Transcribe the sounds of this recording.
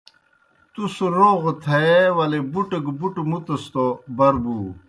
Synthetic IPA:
t̪usoɾoːɣt̪ʰeewɐlebuʈəɡbuʈmut̪ɐst̪obɐɾbu

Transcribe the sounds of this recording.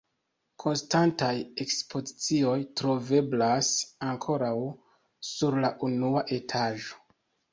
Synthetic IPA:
kʰo̞nstantaje̞kspʰo̞zit͡sio̞jtɾo̞ve̞blasaŋkʰo̞ɾaw | suɾlaʔunuaʔe̞tʰaʒo̞̥

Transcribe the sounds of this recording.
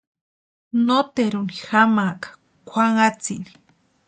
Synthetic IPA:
not̪eɾunixamakḁ | kʷaŋat͡sḭni̥

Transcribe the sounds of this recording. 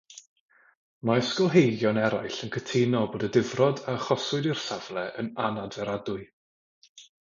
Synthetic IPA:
maskɔlˠɦejɡjɔnɛɾajɬənkʰətʰenɔboːdədɪvrɔdaəχɔsʊɨdir̥savlˠɛʔə̰nanadvɛɾadʊɨ

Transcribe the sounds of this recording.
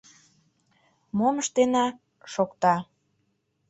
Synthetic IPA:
moməʃt̪enɑ | ʃokt̪ɑ

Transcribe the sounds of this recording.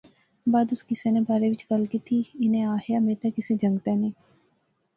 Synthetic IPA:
baːd̪ʊskɪsenẽbaːɾeʋɪt͡ʃkɐlkit̪ʰiɪnẽaːɦjameːt̪ekɪsed͡ʒɐ̃ŋɡt̪ɛnẽː

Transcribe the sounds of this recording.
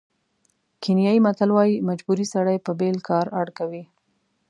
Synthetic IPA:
kenjɑjimat̪alwɑjimad͡ʒbuɾisaɽajpəbelkɑɾaɽkawi

